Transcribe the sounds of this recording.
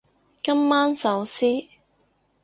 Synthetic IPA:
kɐ˥mːaː˥nsɐ˨˥wsiː˥

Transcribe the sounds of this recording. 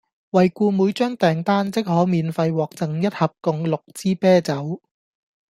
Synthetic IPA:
wɐ˨jkuː˧muː˨˥jt͡ʃœː˥ŋt̪ɛː˨ŋt̪aː˥nt͡sɪ˥k̚hɔː˨˥miː˨˧nfɐ˧jwɔː˨k̚t͡sɐ˨˩ŋjɐ˥t̚hɐ˨p̚kʊ˧ŋlʊ˨k̚t͡siː˥pɛː˥t͡sɐ˨˥w

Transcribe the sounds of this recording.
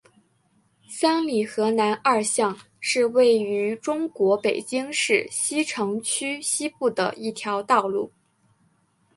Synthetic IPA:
sa˥nli˨˩xɤ˧˥na˧˥nɐ˞˥˧ɕjɑ˥˧ŋ | ʂɻ̩˥˧we˥˩ɪy˧˥ʈ͡ʂʊ˥ŋkwɔ˧˥pe˨˩ɪt͡ɕi˥ŋʂɻ̩˥˩ɕi˥ʈ͡ʂʰɤ˧˥ŋt͡ɕʰy˥ɕi˥pu˥˩d̪ə̰˩i˥˩t̪ʰjɑ˧˥ʊt̪ɑ˥˧ʊlu˥˩

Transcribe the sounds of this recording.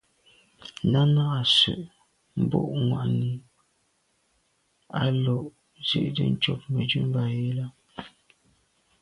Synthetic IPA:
a˦na˦ɣa˨sʉ̰˨ʔ | m̩˨bo̰˦˨ʔŋwa̰˨ʔni˨ | a˦lɔ˨ʔ | zḛ˦ʔdə̰˦n̩˦t͡ʃɔ˦˨p̚mə˨d͡ʒʉ˦m˦ba˦˨je˦la˦

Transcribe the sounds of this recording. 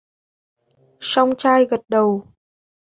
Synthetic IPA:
sa˧wŋ͡mt͡ɕaː˧jɣə˨˩t̚ɗə˨˩w

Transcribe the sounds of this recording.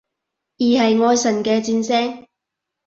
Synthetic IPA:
jiː˨˩hɐ˨jŋɔː˨˧jsɐ˨˩nkɛː˧t͡siː˧nsɛː˥ŋ

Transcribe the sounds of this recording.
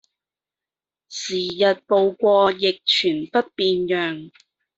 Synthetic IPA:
siː˨˩jɐ˨t̚po˧wkʷɔː˧jɪ˨k̚t͡ʃʰyː˨˩npɐ˥t̚piː˧njœː˨ŋ

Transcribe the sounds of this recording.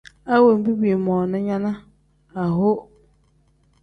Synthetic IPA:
a˦wo˨m̩˨bi˦bi˨e˨mɔ̃˨nʊ̃˦ɲã˦nã˦ | a˨ɦo˦

